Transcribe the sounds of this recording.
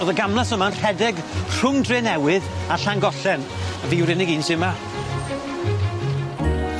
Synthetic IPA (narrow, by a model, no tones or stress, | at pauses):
oðəɡamlˠasəmanr̥ɛdɛɡ | r̥ʊŋdreːnɛwɨðaɬaŋɡɔɬɛn | əviːwɾɪnɪɡiːnsɪma